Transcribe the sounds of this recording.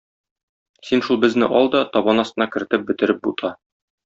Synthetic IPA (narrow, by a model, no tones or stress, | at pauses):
sinʃulˠbɘ̆znɘ̰ʔɒlˠd̪ɒt̪ɒbɑnɒst̪ɤnɑkɘ̆ɾɘ̆t̪ɘp̚bɘ̆t̪ɘ̆ɾɘp̚but̪ʰɑ